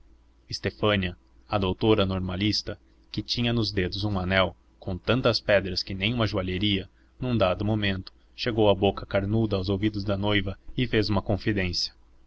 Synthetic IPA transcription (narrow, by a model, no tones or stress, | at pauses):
ɪst̪efɐ̃niɐ | ɐd̪owt̪oɾɐnoɾmalist̪ɐ | kɪt͡ʃĩɲɐnʊzd̪ed̪ʊzũanɛw | kõw̃t̪ɐ̃nt̪ɐspɛd̪ɾɐskɪnẽj̃ũmɐʒuaʎeɾiɐ | nũd̪ad̪ʊmomẽnt̪ʊ̥ | ʃeɡowɐbokɐkaɾnud̪ɐːwzowvid̪ʊzd̪ɐnojvɐɪfezũmɐkõfid̪ẽsjɐ̥